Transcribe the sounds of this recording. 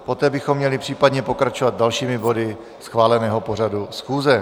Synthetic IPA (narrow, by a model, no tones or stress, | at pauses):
po̞t̪ɛːbɪxo̞mːɲɛlɪpr̝̥iːpadɲɛpo̞kɾat͡ʃovat̪̚dalʃiːmɪbo̞dɪ | sxvaːlɛnɛːɦo̞po̞r̝adusxuːzɛ